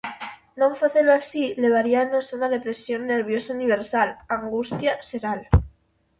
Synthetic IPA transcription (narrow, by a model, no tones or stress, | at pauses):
noɱfaθeloasile̞β̞aɾianasonaðe̞pɾe̞sjo̞nːe̞ɾβ̞jo̞sauniβ̞e̞ɾsalaŋɡust̪jaseɾal